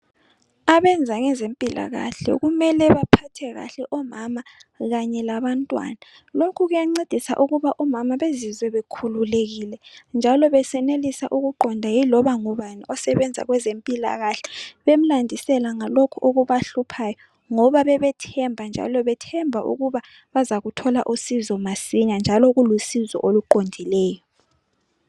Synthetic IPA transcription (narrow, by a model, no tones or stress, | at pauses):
aβɛnd͡zʱaŋɛzempʼila̰ɣa̰ɬɛ̰ɣumɛlɛβapʰatʰɛɣa̰ɬɛʔɔmamaɣaɲɛlaβantʼwa̰na | lokʰuɣujaŋ͡ǀed̥ʱisa̰ʔuɣuβaʔɔmamaβezizwɛβekʰululeɣilɛnd͡ʒʱalɔβɛsɛnelisa̰ʔuɣuɡ͡ǃʱɔndʱajilɔβaŋuβaniʔɔsɛβɛnd͡zʱa̰ɣwɛzempʼila̰ɣaɬɛβem̩landʱisɛlaŋalokʰuʔoɣuβaɬupʰajɔ | ŋɔβaβɛβɛtʰɛmbʱand͡ʒʱa̰lɔβɛtʰɛmbʱaʔṵɣuβa | βazaɣutʰɔlaʔusizɔmasiɲand͡ʒʱalɔɣulusizɔ̰ʔoluǃondʱilɛːjɔ